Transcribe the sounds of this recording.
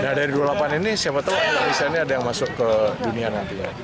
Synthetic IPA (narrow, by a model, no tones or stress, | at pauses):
nahdaɾidualapaninisiapat̪aakalamisalniadajaŋmasʊkːədunianant̪ija̰